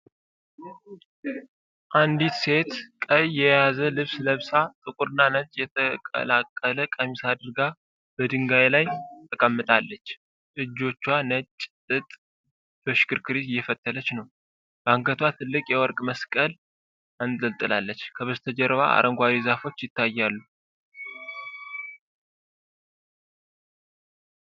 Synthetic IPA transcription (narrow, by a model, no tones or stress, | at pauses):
ʔand̪it̪se̞t̪kʼəjːɛjazəlɨβsləβsat̪ʼɨkʼuɾɨnːanət͡ʃʼjɛt̪ʰəkʼə̰lakʼːələkʼəmisad̪ɨɾɡa | b̥əd̪ɨŋɡajlajt̪ʰəkʼəmːɨt̪ʼalːət͡ʃː | ʔɨd͡ʒːo̞t͡ʃːwanət͡ʃʼːt̪ʼɨt̪ʼ | b̥əʃkɨɾkʰɨɾisjːɛfət̪ʰːələt͡ʃnəw | b̥aŋɡət̪ʰwat̪ʰɨlːɨkʼjɛwɔɾkʼməskʼəl | anzəlt̪ʼɨlalːət͡ʃːkʰəβəzt̪ʰəd͡ʒɛɾβa̰a̰ɾʔəŋɡʷaɾizafo̞t͡ʃːjɪt̪ʰːajːalːu